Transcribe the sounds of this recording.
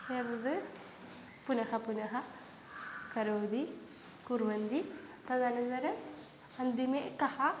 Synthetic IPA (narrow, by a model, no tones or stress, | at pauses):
eːɾnɐd̪ɨ | punɐhɐpunɐɦɐ | kɐɾoːd̪i | kuɾʋɐnd̪ipɐd̪ʱaːnɐnt̪ɐɾɐ | ɐnd̪imekɐhɐ